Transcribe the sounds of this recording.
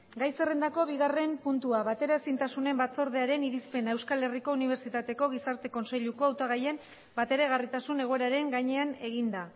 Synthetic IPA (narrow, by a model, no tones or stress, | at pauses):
ɡajse̞rend̪ako̞βiɣare̞mpunt̪uaβat̪e̞ɾae̞sint̪asune̞mbat͡so̞ɾð̞e̞aɾe̞niɾispe̞nae̞wskale̞riko̞uniβ̞e̞ɾt͡ʃit̪at̪e̞ko̞ɣ̞isaɾt̪e̞ko̞nse̞ʎuko̞awt̪aɣ̞aje̞m | bat̪e̞ɾeɣ̞arit̪asune̞ɣ̞o̞e̞ɾaɾe̞ŋɡaɲe̞ane̞ɣ̞ind̪a